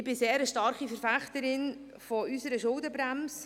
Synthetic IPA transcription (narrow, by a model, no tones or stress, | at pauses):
ɪbɪseːɾəʃtɑɾχifəɾfæχt̪əɾɪn | fɔysəɾəʃʊldəbɾæms